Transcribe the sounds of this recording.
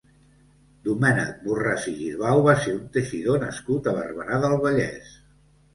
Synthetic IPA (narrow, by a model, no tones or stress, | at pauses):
d̪umɛnə̰k̚buraziʒiðβawβ̞aseunt̪əʃiðonəskut̪əβə̰rβəɾaðəlˠβəʎɛ̰s